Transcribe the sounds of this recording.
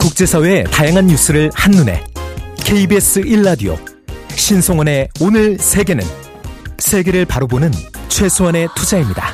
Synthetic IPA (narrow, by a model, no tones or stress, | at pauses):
kuk̚t͡ɕ͈e̞sʰaweetajaŋɦanːus͈ʰɯɾɯɭhanːune̞̰kʰe̞ibes͈ɯiɭːadio̰ | hek̚ɕ͈insʰoŋwane̞onɯɭsʰe̞ɡe̞nɯ̰n | sʰe̞ɡe̞ɾɯɭpaɾobonɯnt͡ɕʰwe̞sʰowane̞tʰud͡ʑaimɲida